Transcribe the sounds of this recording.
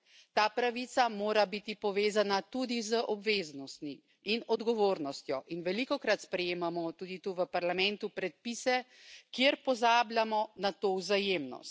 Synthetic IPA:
t̪aːpɾaʋit̪samoːɾabit̪ipɔʋeːzanat̪ud̪izəʔɔbʋeːznɔst̪mi | inɔd̪ɡɔʋoːɾnɔst̪jɔʔinʋɛlikɔkɾat̪spɾɛjeːmamɔt̪uːd̪it̪uʋəpaɾlamɛnt̪upɾɛt̪̚pisɛ | kjeɾpɔzaːblʲjamɔnat̪owzajeːmnɔ̰st̪

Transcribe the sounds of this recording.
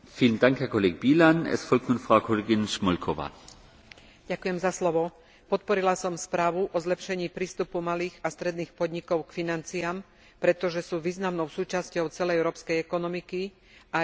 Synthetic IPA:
fiːləndaŋkhɛːɐkʰɔleːɡəbiːlanɛ̰sfɔlk̚tnuːnfʁaʊkʰɔleːɡɪnʃmɔlkʰɔʋa̰ː | ɟakʊjɛmzaslɔʋɔ | pɔt̪̚pɔɾilasɔmspɾaːʋuʔɔzlɛpʃɛɲiːpɾiːst̪upumaliːɣast̪ɾɛd̪niːxpɔd̪ɲikɔʊkfinant͡siam | pɾɛt̪ɔʒɛsuːʋiːznamnɔʊsuːt͡ʃascɔʊt͡sɛlɛjɛʊɾɔːpskɛjɛkɔnɔmiki | ʔa

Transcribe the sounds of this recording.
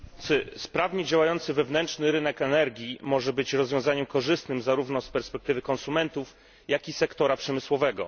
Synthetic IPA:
t̪sɘspɾavɲɛd͡ʑawajɔnt̪sɘvɛvnɛntt͡ʂnɘɾɘnɛkɛnɛɾɡʲimɔʐɛbɘt͡ɕɾɔzvʲjɔ̃w̃zaɲɛmkɔʐɘst̪nɘmzaɾuvnɔspɛɾspɛk̚t̪ɘvɘkɔ̃nsumɛnt̪uf | jakʲisɛkt̪ɔɾapʂɛmɘswɔvɛɡɔ

